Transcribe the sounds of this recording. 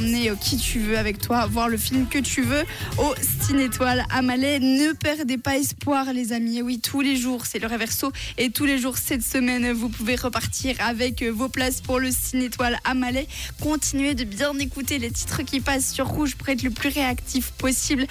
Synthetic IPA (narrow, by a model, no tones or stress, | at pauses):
mneokʲʰit̪ʰyvøavɛkt̪wavwaʁləfilmkət̪yvøosinet̪wala̰malɛnəpɛʁd̪epaɛspwaʁlezamiewit̪ʰuleʒuːʁsɛləʁvɛʁsoet̪uleʒuʁsɛt̪səmɛnvupuveʁəpaʁt̪ʰiʁavɛkvoplaspuʁləsinet̪walamalɛkɔ̃t̪ʰinɥed̪əbjɛ̃nekut̪elet̪i̥t̪χəkʲipasːyʁːuʒpuʁɛt̪χləplyʁeakt̪ʰifpɔsibl